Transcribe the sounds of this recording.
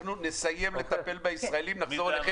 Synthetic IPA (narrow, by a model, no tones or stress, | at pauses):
nune̞saje̞mle̞t̪ape̞lbaisʁaelimnaχzo̞ʁleχ